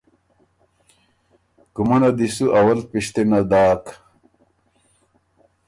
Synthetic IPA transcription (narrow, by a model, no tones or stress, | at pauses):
kumɐnɐd̪isuʔɐwɐlpiɕt̪enɐd̪aːk